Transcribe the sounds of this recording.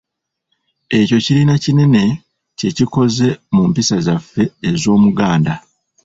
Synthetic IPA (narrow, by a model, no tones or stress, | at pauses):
e̞co̞ciɾinacine̞ne̞ | ce̞ciko̞ze̞mumpisazafːe̞ːzo̞ːmuɡaːnda